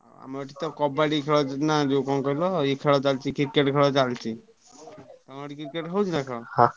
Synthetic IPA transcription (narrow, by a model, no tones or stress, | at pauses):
a̰mɔʈit̪ɔkɔbaɽikʰeɭɔnad͡ʒekɔnkɔilɔikʰeɭɔt͡ʃalt͡ʃikiɾkeʈkʰeɭɔt͡ʃalt͡ʃʰi | t̪ɔŋaɽikiɾkeʈɦɔwt͡ʃnakʰeɭɔhã